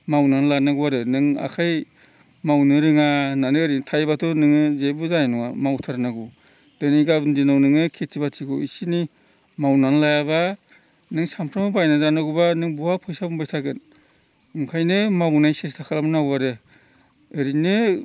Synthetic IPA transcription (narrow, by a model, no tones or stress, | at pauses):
mawnanlanaɡuwaɾɯnɯŋa̰kʰaj | mawnɯɾɯŋananɯːɾintʰajbatʰɔnɯŋɯzebuzajnɔwa̰mawtʰaɾnaɡu | d̥ɯniɡabɯndinawnɯŋɯkʰetʰibatikʰɯwisini | mawnanlajaba | nɯŋsampʰɾamabajnazanaɡubanɯŋbuwapʰɔjsabumbajtʰaɡɯn | ɯŋkʰajnɯmawnajsestʰakʰalamɯnaɡwaɾɯ | ɯɾinɯ